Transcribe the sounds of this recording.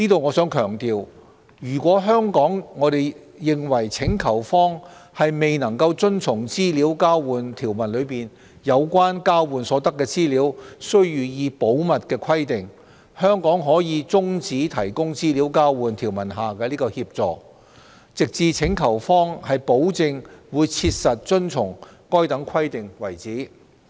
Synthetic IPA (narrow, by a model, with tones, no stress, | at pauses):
niː˥t̪o˨˧wŋɔ˨˧sœː˨˥ŋkʰœː˨˩ŋt̪iː˨w | jyː˨˩kʷɔː˨˥ɦœː˥ŋkɔː˨˥ŋːɔː˨˧t̪e˨j | jɪ˨ŋwɐ˨˩jt͡sʰɪ˨˥ŋkʰɐ˨˩wfɔː˥ŋhɐ˨jme˨jnɐ˨˩ŋkɐ˧wt͡sɵ˥nt͡sʰʊ˨˩ŋt͡siː˥liː˨˥wkaː˥wwuː˨˩nt̪ʰiː˨˩wmɐ˨˩nlɵ˨˧ɥpiː˨n | jɐ˨˧wkʷaː˥nkaː˥wwuː˨nsɔː˨˥t̪ɐ˥kːɛː˧t͡siː˥liː˨˥wsɵ˥ɥjyː˨jiː˨˧po˨˥wmɐ˨t̚kɛː˧kʷʰɐ˥jt̪ɪ˨ŋ | hœː˥ŋkɔː˨˥ŋɦɔː˨˥jiː˨˧t͡sʊ˥ŋt͡siː˨˥t̪ʰɐ˨˩jkʊ˥ŋt͡siː˥li˨˥wkaː˥wwuː˨˧nt̪ʰiː˨˩wmɐ˨˩nɦaː˨kɛː˧liː˥kɔː˧hiː˧p̚t͡sɔː˨ | t͡sɪ˨k̚t͡siː˨t͡sʰɪ˨˥ŋkʰɐ˨˩wfɔː˥ŋhɐ˨jpo˨˥wt͡sɪ˧ŋwuː˨˧jt͡sʰiː˧t̚sɐ˨t̚t͡ʃɵ˥nt͡sʰʊ˨˩ŋkɔː˥jt̪ɐ˨˥ŋkʰɐ˥jt̪ɪ˨ŋwɐ˨˩jt͡siː˨˥